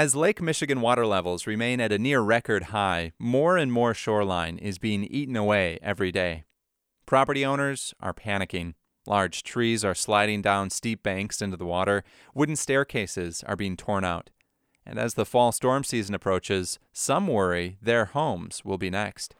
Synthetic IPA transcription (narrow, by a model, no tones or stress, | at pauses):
ɨzleɪkmɪʃɨɡɨ̃nwɔɾə˞lɛvl̩ˠzɹɨmẽɪ̃nɨɾɨnɪɹɹɛkə˞d̚haɪmɔɹɨ̃nmɔɹʃɔɹlãɪ̃nɪ̰zbiɪ̃ŋiʔn̩əweɪɛvɹideɪ | pʰɹ̥ɑpə˞ɾiõʊ̃ñə˞z̥ʔə̰˞pʰæñɨkɪ̃ŋ | lʔɑɹd̥ʒ̥tʰɹ̥izə˞slaɪɾɪ̃ŋdãʊ̃nstip̚b̥æ̃ŋksɪ̃ntʉðəwɔɾə˞ | wʊdⁿn̩stɛɹkʰeɪsɪz̥ə̰˞biɪ̃ŋtʰɔɹñaʊɾ | ɨ̰̃nɨ̰zðəfɔlˠstɔɹmsizɨ̃nəpʰɹ̥oʊt͡ʃɪz̥ | sʌ̃mwɜ˞iðə˞hõʊ̃mz̥wɪlˠbinɛkst